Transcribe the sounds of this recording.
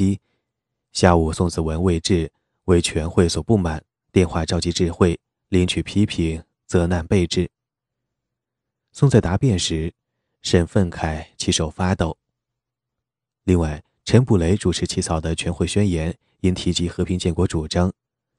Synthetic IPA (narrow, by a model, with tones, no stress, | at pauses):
i˥ | ɕja˥˩u˨˩sʊ˥˧ŋt͡sɹ̩˥˩wə˧˥nwe˥˧ɪʈ͡ʂɻ̩˥˩ | we˥˩ɪt͡ɕʰɥɛ˧˥nxwe˥˩ɪswɔ˨˩pu˥˩ma˨˩˦n | t̪jɛ˥˧nxwa˥˧ʈ͡ʂɑ˥˧ʊt͡ɕi˧˥ʈ͡ʂɻ̩˥˧xwe˥˩ɪ | li˧˥nt͡ɕʰy˨˩pʰi˥pʰi˨˩˦ŋ | t͡sɤ˧˥na˥˧npe˥˧ɪʈ͡ʂɻ̩˥˩ | sʊ˥˧ŋt͡sa˥˩ɪt̪a˧˥pjɛ˥˩nʂɻ̩˧˥ | ʂə˥˩nfə˥˩nkʰa˨˩ɪt͡ɕʰi˧˥ʂo˨˩ʊfa˥t̪o˥˩ʊ | li˥˧ŋwa˥˩ɪ | ʈ͡ʂʰə˧˥npu˨˩le˧˥ɪʈ͡ʂu˨˩ʈ͡ʂʰɻ̩˧˥t͡ɕʰi˧˥t͡sʰɑ˨˩ʊd̪ə˦t͡ɕʰɥɛ˧˥nxwe˥˩ɪɕɥɛ˥njɛ˧˥n | i˥ŋt̪ʰi˧˥t͡ɕi˧˥xɤ˧˥pʰi˧˥ŋnt͡ɕjɛ˥˩nkwɔ˧˥ʈ͡ʂu˨˩ʈ͡ʂɑ˥ŋ